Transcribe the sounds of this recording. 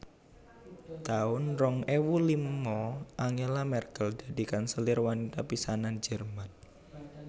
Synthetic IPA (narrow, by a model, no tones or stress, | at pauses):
t̪aʊnrɔŋewulimːɔʔaŋelamɛrkəld͡ʒad̪i̤kansəlɪrwanit̪apisanand͡ʒɛrman